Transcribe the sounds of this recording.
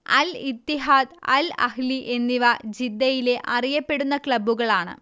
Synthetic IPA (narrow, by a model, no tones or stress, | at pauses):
ɐ̰lit̪ːiɦaːd̪ɐ̰lɐ̰hliʔenːiʋɐd͡ʑid̪ːɐjile̞ʔʔɐrijɐpːe̞ɽunːɐkɭɐbːuɣɐɭaːɳɨ̰